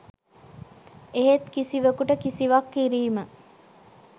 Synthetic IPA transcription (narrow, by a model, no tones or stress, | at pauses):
eɦet̪kisiʋəkuʈəkisiʋakːiɾiːmə